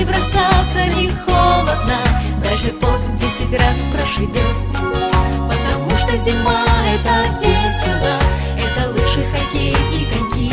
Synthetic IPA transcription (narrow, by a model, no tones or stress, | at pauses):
ɪbɾɐsat̪sənʲɪxolˠəd̪nəd̪aʐɨpovʲdʲesʲɪtʲraspɾəʐɨvʲot̪ | pət̪ɐmuʂt̪ozʲɪmaɛt̪əvʲesʲɪlˠə | ɛt̪əlˠuʂɨxɐkʲejʲikɐkʲi